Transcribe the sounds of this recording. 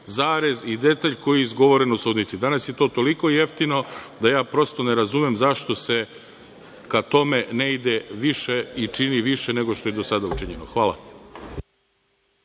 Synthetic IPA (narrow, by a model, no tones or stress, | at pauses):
zaːɾezid̪e̞t̪aʎko̞jiizɡo̞ʋo̞ɾenosuːd̪nit̪sid̪anasjet̪o̞ːt̪o̞liko̞ijeft̪ino̞d̪ajaːpɾo̞st̪o̞ne̞ɾazumjemzaʃt̪o̞se̞ | kat̪o̞meneid̪eʋiʃeit͡ʃiniʋiʃene̞ɡoʃt̪o̞jed̪o̞sad̪aut͡ʃiɲenoxʋaːlˠa̰